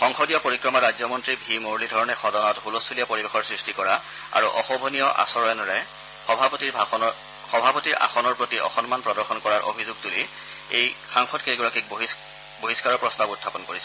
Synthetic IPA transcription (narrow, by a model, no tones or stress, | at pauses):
xɔŋxɔdijɔpoɹikɹɔmaɹazjɔmɔntɹibʱimoɹlidʱɔɹɔnɛxɔdɔnɔtɦulɔstʰulijapoɹibexɔɹsɹistikɔɹa | a̰ɹuʔɔ̰xɔbʱɔnijɔʔa̰sɔɹɛnɹɛ | xɔbʱapotiɹ | xɔbʱapotiɹa̰xɔnɔɹpɹotiʔɔ̰xɔnmanpɹɔdɔɹxɔnkɔɹaɹʔo̰bʱizuɡtuli | ejxaŋxɔtkejɡuɹakik̚b | boɦiskaɹɔɹpɹɔstabutʰːapɔnkoɹisɛ